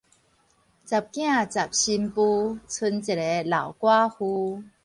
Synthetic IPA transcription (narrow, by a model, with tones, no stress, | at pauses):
t͡sa˨˩p̚kj̃ã˥˨t͡sa˨˩p̚ɕi˧mpu˧t͡sʰu˧nt͡si˨˩le˨˧˦la˨˩wkwa˦hu˧